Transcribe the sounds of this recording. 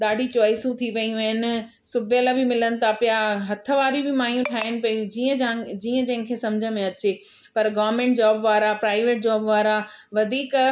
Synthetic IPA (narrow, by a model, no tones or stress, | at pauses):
ɗ̪aːɖʱit͡ɕɔːɪsũt̪ʰiʋɐiũəɦɪnɪ | sʊbʱjəlabɪmɪlənɪ̆t̪ʰapijaɦɐt̪ʰə̆ʋaːɾibɪmaːijũt̪ʰaːɦɪnɪ̆pɐijũd͡ʑiːə̃d͡ʑiːə̃d͡ʑɐ̃ɦɪ̃nkʰeːsɐmd͡ʑʱəmẽɐt͡ɕe | pɐɾɡɔːʋɾmẽːɳʈ̚d͡ʑaːbʋaːɾapɾaːɪʋeːʈ̚d͡ʑɔːbʋaːɾa | ʋɐd̪ʱiːk